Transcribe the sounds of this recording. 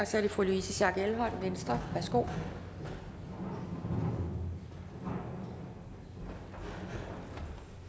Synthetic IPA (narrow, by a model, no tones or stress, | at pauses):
ɒsɒæɐɾ̥ifʁuluisəɕæɡ̥elɦɒ̽nʋensd̥ʁɐb̥æsɡ̥o̝̰ː